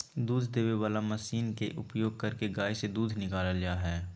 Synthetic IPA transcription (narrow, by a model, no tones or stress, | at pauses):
d̪uːd̪ʱd̪eːʋeʋaːlamɐsiːnkeʔʊpjoːɡ̚kɐɾkeɡaːjsed̪uːd̪ʱnɪkaːlalɪjaɦɛː